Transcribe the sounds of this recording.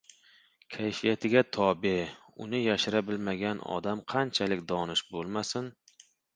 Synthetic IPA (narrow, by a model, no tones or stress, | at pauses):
kʲʰajfɪjat̪ʰɪɡʲat̪ʰɒbe | ʊ̰nɪjaʃɪɾabɪlmaɡʲanɒ̰d̪amqʰɑnt͡ʃʰalɪkʲd̪ɒnɪʃbolˠmasɪn